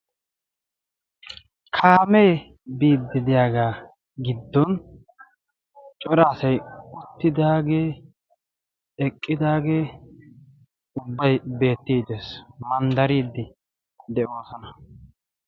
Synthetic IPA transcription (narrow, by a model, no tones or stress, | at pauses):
kʰaːmeː | biːd̪ːɪd̪ɪjaːɡaː | ɡɪd̪ːɔn | t͡ʃʼɔɾaːsɐjʊt̪ːɪd̪aːɡeː | ɛkʼːɪd̪aːɡeː | ʊbːɐjbe̞ːt̪ːiːd̪eːsmɐnd̪ɐɾiːd̪ːɪ | d̪ɛʔo̞ːsɔnɐ